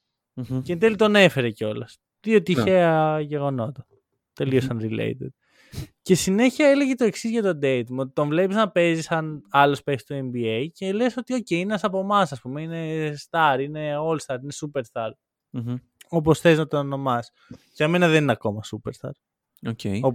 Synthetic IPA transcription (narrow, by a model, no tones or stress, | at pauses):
cent̪elit̪o̞ne̞fe̞ɾeceo̞lɐs | ðiot̪içeɐʝe̞ɣo̞no̞t̪ɐ | t̪e̞liosɐnɾilḛjt̪ed̪̥̚ | ce̞sine̞çiɐele̞ʝet̪o̞e̞ksizʝɐt̪o̞d̪e̞it̪mot̪t̪oɱvlepisɐnɐpe̞zisɐnɐlo̞spezi̥st̪oe̞mbiejce̞leso̞t̪io̞ceiinenɐsɐpo̞mɐsɐspumeine̞st̪ɐɾine̞o̞lst̪ɐɾinesupe̞ɾst̪ɐɾ | o̞p̬o̞sθe̞znɐt̪onono̞mɐs | ceɐme̞nɐðe̞ninɐko̞mɐsupeɾst̪ɐ̰ɾ | oceo